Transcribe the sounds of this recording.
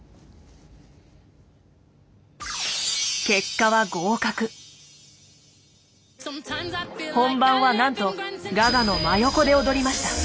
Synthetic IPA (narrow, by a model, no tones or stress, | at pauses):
ke̞kːaβaɡo̞ːkakɯ̟ | hõ̞mbãɰ̃βanãnt̪o̞ɡaɡano̞majo̞ko̞d̪e̞od̪o̞ɾʲimaɕi̥t̪a